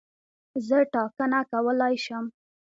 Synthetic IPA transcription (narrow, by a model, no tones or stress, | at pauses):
zəʈɑkənakawəlɑjʃəm